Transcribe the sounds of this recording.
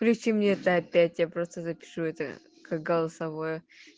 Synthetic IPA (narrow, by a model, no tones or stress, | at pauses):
klʲʉt͡ɕimnʲeɛt̪əɐpʲætʲjapɾo̞st̪əzɐpʲɪ̥ʂuɛt̪ə̰ | kak̚ɡəlˠəsɐvojʊ